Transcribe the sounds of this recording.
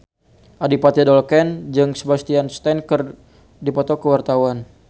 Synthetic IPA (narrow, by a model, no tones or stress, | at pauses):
ʔadipat̪idɔlkɛnd͡ʒɨŋsəbast̪ianst̪ɛnkər | dipɔt̪ɔkəwart̪awan